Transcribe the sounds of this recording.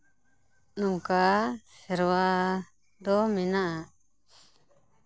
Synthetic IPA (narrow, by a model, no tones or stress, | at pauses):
nuŋkasɛɾwa | d̪ɔmɛnaʔa